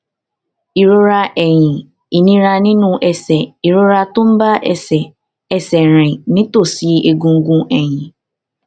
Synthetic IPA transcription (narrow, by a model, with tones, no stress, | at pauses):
i˨ɾu˦ɾa˦ʔɛ˨ɲĩ˨ | i˨nĩ˦ɾa˨nɪ̃˦nʊ̃˦ʔɛ˨sɛ˨i˨ɾu˦ɾa˦tʊ̃˦m̩˦ba˦ʔɛ˦˨sɛ˨ | ɛ˨sɛ˨ɾ̃ɪ̃˨nɪ̃˦to˦˨si˨˦e˦˨ɡũ˦ŋ̩˦ɡũ˦ʔɛ˨ɲĩ˨